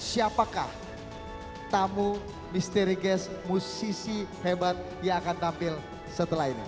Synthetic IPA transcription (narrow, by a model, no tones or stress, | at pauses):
siapakah | t̪amu | mist̪eɾiɡɛsmusisihebat̪̚ | jaːkant̪ampɪl | sət̪əlaɦinḭ